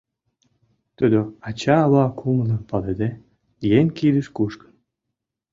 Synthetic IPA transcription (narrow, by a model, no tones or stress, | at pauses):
t̪ød̪øɑt͡ɕɑːβɑkʰumənə̆pɑled̪e | jeŋʲkiləʃkuʃkə̥n